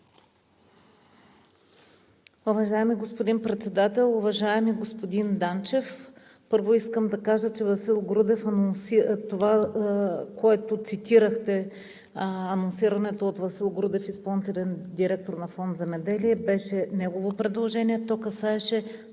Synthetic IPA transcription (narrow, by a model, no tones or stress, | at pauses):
uvɐʒaɛmiɡospod̪inpɾɛt̪sɛd̪at̪ɛlˠʊvɐʒaɛmiɡospod̪ind̪ant͡ʃɛf | pɤɾvoiskəmd̪ɐkaʒət͡ʃɛvɐsilˠɡɾud̪ɛfɐnonsit̪ova | koɛt̪ot̪sit̪iɾəxt̪ɛ | ɐnonsiɾɐnɛt̪oːt̪vɐsilˠɡɾud̪ɛfispɐlˠnit̪ɛlɛnd̪iɾɛk̚t̪oɾnɐfɔnd̪zɛmɛd̪ɛliɛbɛʃɛnɛɡovopɾɛd̪lˠoʒɛniɛt̪ɔkɐsaɛʃɛ